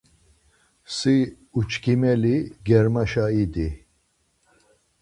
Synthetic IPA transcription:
si | ut͡ʃʰkʰimɛliɡɛɾmaʃaid̪i

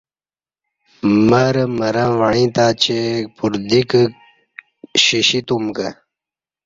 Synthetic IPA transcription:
məɾməɾãʋaɳĩt̪aːt͡ɕepuɾd̪ik | ɕiɕit̪umkə

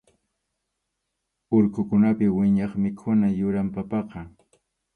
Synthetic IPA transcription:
ʊɾkʊkʊnapɪwɪɲɑχmɪkʰʊnajʊɾampapɑqɑ

